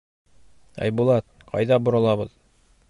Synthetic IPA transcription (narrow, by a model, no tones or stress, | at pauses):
æ̰jbulˠɑt̪̚qʰɑ̰jðɑbŏɾɤ̆lˠɑβɤð